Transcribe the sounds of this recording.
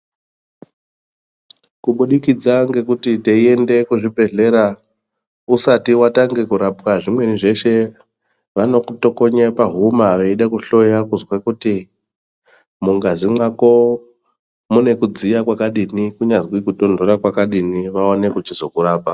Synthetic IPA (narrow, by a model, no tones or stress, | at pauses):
kuɓuɗikid͡zaŋɡe̞kutiteie̞nde̞kuʐibʱe̞ɮe̞ɾa | usatiwataŋɡe̞kuɾapkaʐimwe̞niʐe̞ʃe̞ | ʋano̞kuto̞ko̞ɲepaɦumaʋeiɗakuɬo̞jakuzwakuti | muŋɡazimwako̞ | mune̞kud͡zijakwakaɗinikuɲazwikuto̞ndo̞ɾakwakaɗiniʋaone̞kut͡ʃizo̞kuraːpa